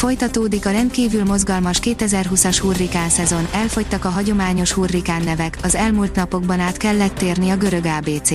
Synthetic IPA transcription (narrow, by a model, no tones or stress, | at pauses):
fo̞jt̪ɒt̪oːd̪ikɒɾɛnt̪̚kiːvylmo̞zɡɒlmɒʃkeːt̪ɛzɛrɦusɒʃhuːrːikaːnsɛzo̞nɛlfo̞ct̪ɒkɒɦɒɟo̞maːɲo̞ʃhurːikaːnːɛvɛkɒzɛlmult̪nɒpo̞ɡbɒnaːt̪kɛlːɛt̪ːeːrniɒɡø̞ɾø̞ɡaːbeːt̪seː